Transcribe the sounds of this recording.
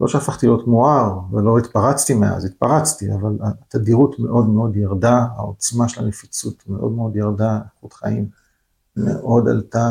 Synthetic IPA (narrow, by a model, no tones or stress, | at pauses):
loʃeafaχt̪ilio̞tmoaʁvelo̞it̪paʁat͡st̪imea̰zit̪̚paʁat͡st̪ia̰valat̪adiʁutme̞̰ʔo̞dmeo̞d̪jaʁdaa̰o̞t͡smaʃelanefit͡sutme̞ʔodme̞o̞djaʁdaeχut̪χa̰im | mḛʔo̞da̰lt̪a